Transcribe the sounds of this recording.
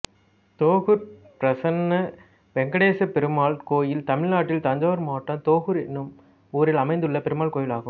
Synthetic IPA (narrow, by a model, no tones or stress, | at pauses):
t̪oːɣɯɾpɾɐsɐnːɐ | ʋɛŋɡɐɽeːsɐpɛɾɯmaːɭkoːjɪlt̪ɐmɪɻnaːʈːɪlt̪ɐɲd͡ʒɐːʋɐɾmaːʈːɐ̃t̪oːɣɯɾɪnːɯm | uːɾɪlɐmɐɪnd̪ɯɭːɐpɛɾɯmaːɭkoːjɪlaːɣɯm